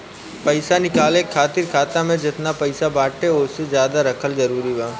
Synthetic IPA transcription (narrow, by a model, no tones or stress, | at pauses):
pɐɪsanɪkaːlẽkʰaːt̪ɪɾkʰaːt̪amẽd͡ʒɪt̪napɐɪsabaːʈʰeʊsezjaːd̪aɾɐkʰəlzɐɾuːɾibaː